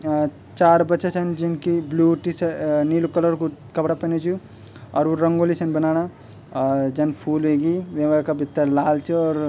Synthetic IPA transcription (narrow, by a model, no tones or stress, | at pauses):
t͡ʃaɾbətːʃat͡ʃʰənd͡ʒinkibluʈisnilokələɾkukəpɽapəned͡ʒʰu | ɔːɾuɾəŋɡolisʰənbənaña | d͡ʒənpʰulɦeɡiʋeʋakabʱit̪ːəɾlalt͡ʃʰiɔɾ